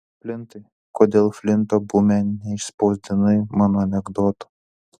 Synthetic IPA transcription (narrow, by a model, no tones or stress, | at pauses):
pʲlʲɪnt̪ɐɪ | koːd̪ʲeːlˠfʲlʲɪnt̪oːbumʲænʲnʲɛɪʃsʲpɐʊzʲd̪ʲɪnɐɪmɑːnoːɐnʲɛɡd̪oːt̪o̥